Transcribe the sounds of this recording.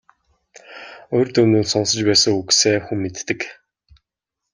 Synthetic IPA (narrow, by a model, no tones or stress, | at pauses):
ojrt̪ɵnuːt̪sɔnsə̆t͡ɕpæːsə̆ŋukseːxumːet̪ːɘ̆k